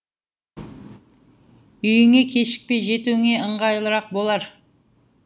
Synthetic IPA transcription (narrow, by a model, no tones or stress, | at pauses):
ʏjɪŋe̞kʲʰe̞ʃɪ̥k̚pejʒe̞t̪uwɪŋe̞əɴʁɑjlˠəɾɑq̚bo̞lˠɑɾ